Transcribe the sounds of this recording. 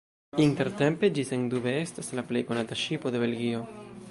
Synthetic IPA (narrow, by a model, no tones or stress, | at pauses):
inte̞ɾte̞mpe̞d͡ʒiseŋdube̞e̞staslaple̞jko̞nataʃipo̞de̞βe̞lɡio̞